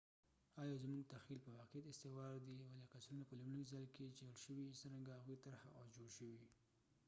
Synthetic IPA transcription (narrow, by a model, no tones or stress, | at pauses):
ɑjɑzmuɡ̚t̪axilpəwaqijat̪ɪst̪ɪwɑɾd̪iwalɑkasɾunapəlumləizajlked͡ʒaɽʃəwisəɾaŋɡahaɣwit̪aɾxa̰ʔad͡ʒoɽʃəwi